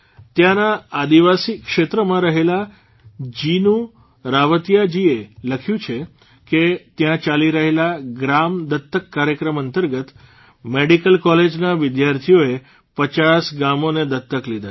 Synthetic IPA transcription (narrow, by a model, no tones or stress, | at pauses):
t̪jãnaːd̪iʋasikʃet̪ɾəmãɾəɦela | d͡ʒinũ | ɾaʋət̪ijad͡ʒieləkʰjũt͡ʃʰe | ket̪jãt͡ʃaliɾəɦelaɡɾamd̪ət̪ːəkːaɾjəkɾəmənt̪əɾɡət̪ | meɽikəlkɔled͡ʒnaʋɪd̪jaɾt̪ʰijoe | pət͡ʃasɡamoned̪ət̪ːəklid̪a